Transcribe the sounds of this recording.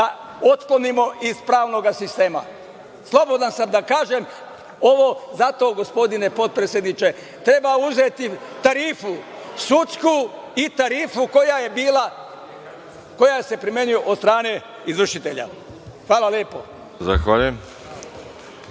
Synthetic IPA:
a | o̞t̪klo̞nimo̞ʔiz̥pɾaːʋno̞ɡasist̪e̞ːma̰ | slˠo̞bo̞d̪ansamd̪akaːʒe̞m | o̞ʋo̞zat̪o̞ːɡo̞spo̞d̪ine̞po̞t̪̚pɾesʲje̞d̪nit͡ʃe̞ | t̪ɾe̞bauzet̪it̪aɾiːfu | sut̪sku | it̪aɾiːfukojajebiːla | ko̞jajese̞pɾime̞nijoʔod̪st̪ɾaːne̞ | izr̩ʃit̪eʎa̰ | xʋaːlˠaljeːpo̞̰ | za̰xʋaʎujem

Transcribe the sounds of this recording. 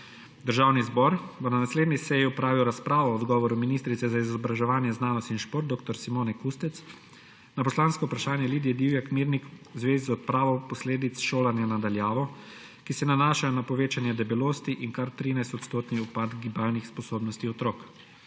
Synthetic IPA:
d̪əɾʒaːwnizbɔɾbɔnanasleːd̪nisɛjiɔpɾaːʋiwɾaspɾaːʋɔɔd̪ɡɔːʋɔɾuminiːst̪ɾit̪sɛzaizɔbɾaʒɛʋaːnjɛznaːnɔst̪inʃpoːɾt̪̚ːoːk̚t̪ɔɾsimoːnɛkust̪ɛt̪s | napɔslaːnskɔupɾaʃaːnjɛliːd̪jɛd̪iwjakmiɾnikzʋeːzizɔt̪̚pɾaːʋɔwpɔsleːd̪it̪sʃoːlanjanad̪aljaːʋɔ | kisɛnanaːʃanapɔʋeːt͡ʃanjɛd̪ɛbiloːst̪iʔinkaɾt̪ɾiːnajst̪ɔt̪st̪oːt̪niupad̪ɡibaːlnixspɔsoːbnɔst̪iɔt̪ɾoːk

